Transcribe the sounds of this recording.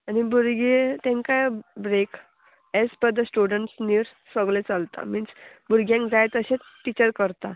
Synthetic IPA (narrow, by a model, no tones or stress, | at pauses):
anibuɾɡet̪ẽŋkajbɾek | espəd̪əsʈuɽəɳʈsniɾ | səɡlet͡səlt̪a̰minsbuɾɡjãŋkd͡zajt̪əɕet͡sʈːit͡ɕəɾkəɾt̪a